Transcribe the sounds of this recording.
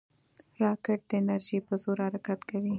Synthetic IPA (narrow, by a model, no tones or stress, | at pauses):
ɾɑkɪʈ̚d̪əɪnaɾʒipəzoɾhaɾakat̪kawi